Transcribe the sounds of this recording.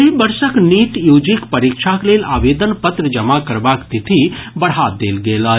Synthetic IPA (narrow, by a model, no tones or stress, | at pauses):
ibəɾsəkniːʈjuːd͡ʒikpɐɾiːkʃʰakleːlaːʋeːd̪ənpət̪ɾəd͡ʒɐmakəɾbaːkt̪it̪ʰibɐɽ̤aːd̪eːlɡeːlaː